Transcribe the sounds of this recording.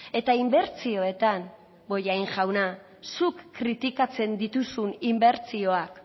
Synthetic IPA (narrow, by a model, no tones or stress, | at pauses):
e̞t̪aimbe̞ɾt͡sio̞e̞t̪an | bo̞jajŋʝawna | sukːɾit̪ikat͡se̞nd̪it̪usunimbe̞ɾt͡sio̞ak